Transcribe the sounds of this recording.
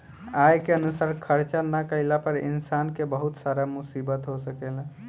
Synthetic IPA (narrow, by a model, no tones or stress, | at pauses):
ajkeənusaɾkʰəɾt͡ʃanakəɪlapəɾḭnsankebəɦut̪saɾamusibət̪ɦosəkɛl